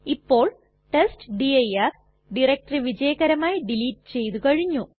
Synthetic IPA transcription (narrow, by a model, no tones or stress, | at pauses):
ipːo̞ːɭ | ʈesʈɖiɐjɐr | ɖirek̚ʈriʋid͡ʑɐjɐɣɐɾɐmaːjiɖiliːʈːɨ̥t͡ɕe̞jt̪ukɐɻiɲːu